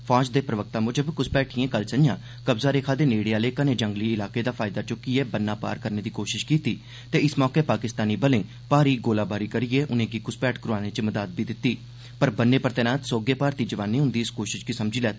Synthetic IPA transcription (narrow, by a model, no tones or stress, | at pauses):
pʰaːd͡ʒd̪eːpɾəʋək̚t̪ãːmʊd͡ʒəbkʊspɛːʈʰiẽːkəlsənjãː | kəbzaːɾeːkʰaːd̪eːneːɽejaːleːkanẽːd͡ʒəŋɡliːɪlaːkeːd̪aːpʰaːɪd̪aːt͡ʃʊkɪeːbənːaːpa̰ːɾkəɾneːd̪iːkoːʃɪʃkiːt̪iː | t̪eːɪsmɔːkeːpaːkɪst̪aːniːbəlẽː | paːɾiːɡoːlaːbaːɾiːkəɾijeːʔʊnẽːɡiːkʊspɛːʈkɾʊaːneːt͡ʃəməd̪aːd̪̚biːd̪ɪt̪ːiː | pəɾbənːeːpəɾt̪ɛːnaːt̪soːɡeːpaːɾt̪iːd͡ʒəʋaːnẽːɦʊnd̪iːɪskoːʃɪʃkisəmd͡ʒiːlɛːt̪ː